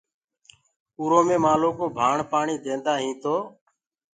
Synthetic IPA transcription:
uːɾoːmẽːmaːloːkoːbʱaːɳpaːɳiːd̪ẽːnd̪aːɦĩːt̪oː

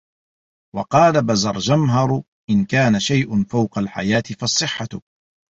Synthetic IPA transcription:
wɑqɑːlabazɑɾˤd͡ʒamɦɑɾˤ | ʔɪnkaːnaʃajʔʊnfawqɑlħa̰jaːt̪ɪfɑsˤːɨħːa

